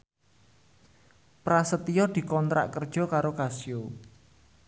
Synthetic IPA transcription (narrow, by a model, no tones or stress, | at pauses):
pɾasət̪ijɔd̪̥i̤kɔnt̪ɾa̰ʔkərd̥ʒ̥ɔ̤kaɾokasjo